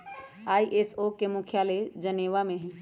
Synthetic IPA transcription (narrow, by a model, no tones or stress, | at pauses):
aːiʔesokemukʰjaled͡ʒəneːʋamẽɦɛ̃